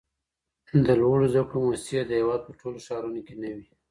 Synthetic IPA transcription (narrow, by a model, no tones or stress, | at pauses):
d̪əlwəɽozd̪akɽomossad̪əhewɑd̪̚pəʈʰoloʃɑɾunokenawi